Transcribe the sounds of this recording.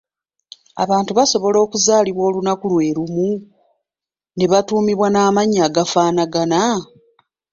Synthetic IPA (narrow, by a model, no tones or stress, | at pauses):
a̰βaːntuβaso̞βo̞lo̞ːkuzaːliβwo̞ːlunakulwe̞ːɾumu | neβatuːmiβwanaːmaɲːaːɡafaːnaɡana